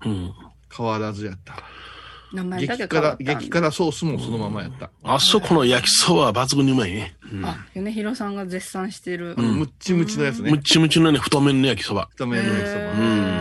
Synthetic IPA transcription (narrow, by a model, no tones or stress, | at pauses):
ɯ̃ː | kʰaβaɾazɨjat̪ːḁ | maɡekaɾaɡekʲi̥kaɾaso̞ːsɨmoso̞no̞mamaja̰t̪ːa̰asokʰono̞jakʲi̥sobabat͡sɨɡɯɲ̟iɯmaineaneçiɾo̞sãŋɡad͡zesːãɰ̃ɕi̥t̪e̞ɾɯ̟ɯ̃mɯ̟t͡ɕimɯt͡ɕinojat͡sɨnmɯ̟t͡ɕimɯ̟t͡ɕinoneɸɯ̟̥t̪omẽ̞nːojak̬ʲi̥so̞ba̰ɯ̥t̪omejakʲisobaɯ̃